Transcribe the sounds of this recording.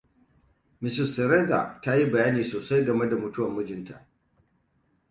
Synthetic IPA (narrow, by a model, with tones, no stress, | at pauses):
mɪ˨sɪ˨stɛ˨ɾe˦da̰˨ta˦ji˦bɐ˨jaː˦niː˨soː˨sa˦jɡɐ˨me˦da˨mʊ˨tʊ˦wɐ˨mːʊ˦d͡ʒɪ˨nta̰˨ʔ